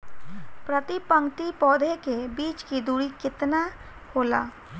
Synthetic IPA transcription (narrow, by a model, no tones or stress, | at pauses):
pɾət̪ipə̃ŋkʈ̪ipɔːd̪ʱekebiːt͡ʃkid̪uːɽikɪt̪na | hoːla̰ː